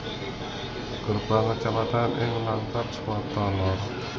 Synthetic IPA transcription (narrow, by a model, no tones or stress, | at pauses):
kərb̥aŋkət͡ʃapat̪anʔɪŋlaŋkatswat̪ɔlɔr